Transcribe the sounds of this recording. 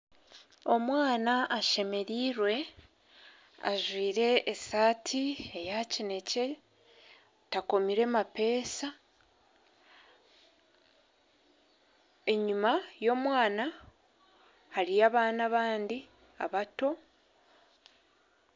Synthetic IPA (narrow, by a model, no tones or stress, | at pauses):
o̞mwaːnaʔːʃe̞me̞ɾiːɾwe̞ | a̰ʒwiːɾe̞ʔːsaːtʰiejacine̞ce̞ | tako̞miɾe̞mape̞ːsa | e̞ɲumajo̞ːmwaːna | haɾijaβaːnaβaːndi | a̰βato̞